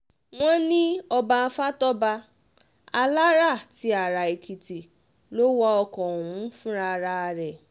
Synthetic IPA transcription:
w̃ɔ̃˦nĩ˦ɔ˧ba˧a˧fa˦tɔ˦ba˧ | a˧la˦ɾa˦˨ti˨˦a˨ɾa˨i˨ki˨ti˨ | lo˦wɔ˦ɔ˧kɔ˨ũ˨˦fũ˦ɾa˧ɾa˧ɾɛ˨

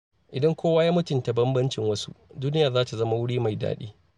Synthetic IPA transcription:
ʔɪ˨dɐ˦ŋkʷoː˦wa˦jaː˦mʊ˦tʊ˨nta˨bɐ˦mbɐ˦nt͡ʃɪ˨ŋwɐ˦sṵ˦ʔduː˦nɪ˦jaː˨zaː˦ta˨zɐ˦ma˨wʊ˦ɽiː˦ma˨jda̰ː˦ɗḭː˦

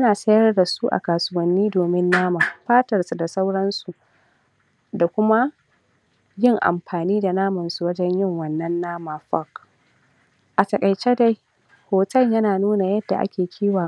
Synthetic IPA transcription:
ʔnaː˨sɐ˦jɐ˦rda˨su˦ʔa̰˨kaː˨sʊ˦wɐ˦nːiː˦doː˨mɪ˦nːaː˦maː˨ɸaː˦tɐ˨rsu˨da˨sa˦wɽɐ˦nsu˨ʔ | da˨kʷʊ˦ma˦ | jɪ˦˨ŋʔa̰˨mɸaː˨niː˦da˨naː˦mɐ˨nsu˨wɐ˦d͡ʒɛ˦ɲjɪ˦˨ŋwɐ˨nːɐ˦nːaː˦maː˨ɸɐ˦˨k | ʔa˨tɐ˨kʼɐ˨jt͡ʃe˦da˦j | hoː˨tɐ˦ljɐ˦naː˨nuː˦na˨jɐ˦dːa̰˨ʔa̰˦kʲʰeː˨kʲʰiː˦wa˨

